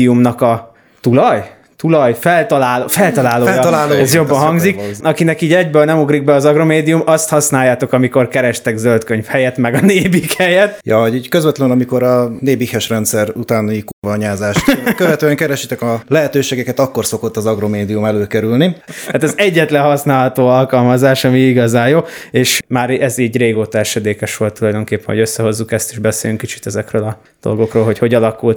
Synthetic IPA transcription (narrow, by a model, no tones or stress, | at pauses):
iumnɒkɒ | t̪ulɒj | t̪ulɒjfɛlt̪ɒlaːlofɛlt̪ɒlaːlolaːloɛzjo̞bːɒɦɒŋɡzzikɒkinɛkiːɟɛɟbøːlnɛmuɡriɡ̚bɛɒzɒɡro̞meːd̪ijumɒst̪hɒsnaːjːaːt̪o̞kɒmiko̞rkɛɾɛʃt̪ɛɡzølt̪kø̞ɲfhɛjɛt̪mɛɡɒneːbikhɛjɛt̪jɒɒɟiːɟkøzvʋɛt̪lɛnnɒmiko̞ɾɒneːbikhɛʃrɛnt̪sɛɾut̪aːnikurvɒɲaːzaːʃt̪køvɛt̪øːɛŋkɛɾɛʃit̪ɛkɒlɛɦɛt̪øːʃeːɡɛkɛt̪ɒkːo̞rso̞ko̞t̪ːɒzɒɡɾo̞meːd̪iumɛløːkɛɾylniat̪ɛzɛɟːɛt̪lɛnɦɒsnaːlɦɒt̪oːɒlkɒlmɒzaːʃɒmiiɡɒzaːjoːeːʃmaːɾɛziːɟreːɡoːt̪ɒɛʃɛd̪eːkɛʃʋo̞lt̪ːulɒjd̪o̞ŋkeːpːɛnɦo̞ɟøsːɛɦo̞zːukɛst̪iʒbɛsḛːlyŋkːit͡ʃi̥t̪ɛzɛkrøːlɒ | d̪̥o̞̰lɡo̞kroːlɦo̞cho̞ɟɒlɒkult̪